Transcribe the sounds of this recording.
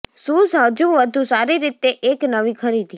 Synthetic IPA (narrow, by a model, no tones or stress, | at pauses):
sũsɦəd͡ʒũʋəd̪ʱũsaɾiɾit̪eʔeknəʋĩkʰəɾid̪ʱi